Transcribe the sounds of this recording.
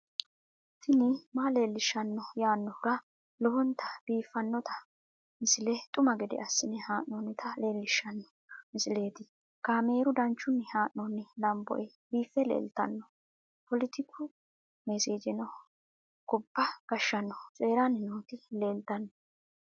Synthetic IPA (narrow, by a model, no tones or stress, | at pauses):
t̪ʰːɪnɪmaːle̞ːlːɪʃːɐnːɔjaːnːɔhʊɾɐ | lɔhɔnt̪ʰɐ̥b̥iːfːɐnːɔt̪ʰɐ̥ | mɪsɪlɛt̪ʼʊmɐɡɛd̪ɪ̰ʔɐsːɪnɪhaːʔnːɔnɪt̪ʰɐle̞ːlːɪʃːɐnːɔ | mɪsɪle̞ːt̪ɪ | kaːme̞ːɾʊd̪ɐnt͡ʃːʊnːɪhaːʔːɔnːɪlɐmbɔ̰ʔɛ | biːfːɛlḛːlt̪ɐ̰nːɔ | pɔlɪt̪ʰɪkːʊ | mɛsiːd͡ʒɪnɔ | ɡ̥ɔbːɐɡ̥ɐʃːɐnːɔt͡sʼe̞ːɾanɪnoːt̪ɪle̞ːlt̪ɐnːɔ